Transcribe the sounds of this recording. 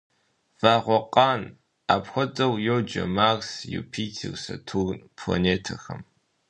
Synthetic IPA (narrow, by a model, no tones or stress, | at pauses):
v̥aːʁʷɔqʼɑːn | aːpxʷɔt͡sʼɐwjowd͡ʒɐ̰maːrsjṵpʰiːtʰḭwsɐtʰuːrnpʰla̰neːtʰɐxɐm